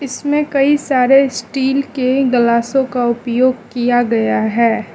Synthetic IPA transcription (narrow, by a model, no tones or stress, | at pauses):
ɪsmẽkɐisaːɾesʈiːlkeɡɐlaːsõkaʊpjoːɡ̚kijaɡɐjaɦɛː